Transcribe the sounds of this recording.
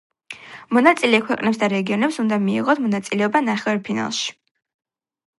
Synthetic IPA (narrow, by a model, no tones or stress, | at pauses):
mɔnat̪sʼilɛkʰwɛqʼnɛpsd̪aɾɛɡiɔnɛpsund̪amiḭʁɔt̪ʰmɔnat̪sʼilɛɔbanaχɛɛɾpʰina̰lˠʃi̥